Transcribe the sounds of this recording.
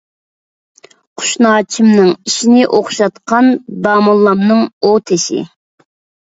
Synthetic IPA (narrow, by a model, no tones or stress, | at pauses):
qʰʊ̥ʃnɑːt͡ʃʰimnɨŋiʃinɪʔoχʃɑt̪qʰɑnd̪ɑːmulˠːɑmnɨŋot̪ʰɪsɪ̰